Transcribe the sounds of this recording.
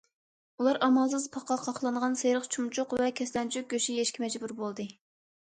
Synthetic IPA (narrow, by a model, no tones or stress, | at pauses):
ulˠɑɾɑmɑlˠsɨzpʰɑqʰɑqʰɑχlˠɨɴʁɑnsejɾəχt͡ʃʰumt͡ʃʰʊqvɛkʲʰɛslɛnt͡ʃʰyk̚ɡʲøʃijeʃkʲimɛd͡ʒbuɾbolˠd̪ɨ